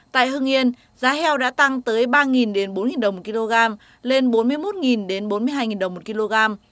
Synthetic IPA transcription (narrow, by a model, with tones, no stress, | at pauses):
t̪a̰ː˧˨jɦɨ˧ŋʔi˧ən | zaː˨˦hɛ˧wɗa̰ː˧˥t̪a˧ŋt̪əː˨˦jɓaː˧ŋi˨˩nɗe˨˦nɓo˨˦nŋi˨˩nɗə˨˩wŋ͡mmo˨˩ki˧lo˧ɣaː˧m | le˧nɓo˨˦nmɨ˧əjmo˦˥t̚ŋi˨˩nɗe˨˦nɓo˨˦nmɨ˧əjɦaː˧jŋi˨˩nɗə˨˩wŋ͡mmo˨˩t̚ki˧lo˧ɣaː˧m